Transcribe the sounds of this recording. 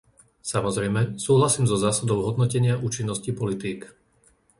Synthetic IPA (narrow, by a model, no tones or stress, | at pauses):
samɔzɾɛjmɛsuːɦlasiːmzɔzaːsad̪ɔʊɦɔd̪nɔcɛɲɪaʔuːt͡ʃinːɔscipɔlit̪iːk